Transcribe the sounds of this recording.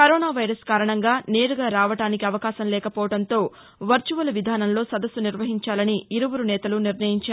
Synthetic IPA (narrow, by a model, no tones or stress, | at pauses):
kɐɾoːnaːʋɐjɾɐskaːɾɐɳɐŋɡaːne̞ːɾuɡaːɾaːʋɐʈaːnikiɐʋɐkaːʃɐmlɛːkɐpɔːʋɐɽɐnt̪o̞ː | ʋɐɾt͡ʃuʋɐlɐʋid̪ʱaːnɐmlo̞ːsɐd̪ɐsːuniɾʋɐɦiɲt͡ʃaːlɐniːɾuwuɾunɛːt̪ɐluniɾnɐjiɲt͡ʃaː